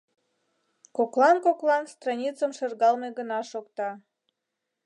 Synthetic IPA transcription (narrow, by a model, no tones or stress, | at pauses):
koklˠɑnkoklˠɑnst̪rɑnʲit͡səmʃerɣɑlmeɣənɑʃokt̪ɑ